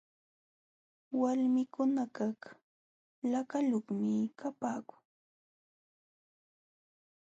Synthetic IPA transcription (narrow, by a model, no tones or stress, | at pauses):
walmɪkʰʊnakak | lakaloχmɪkʰapaːkʊ̥ŋ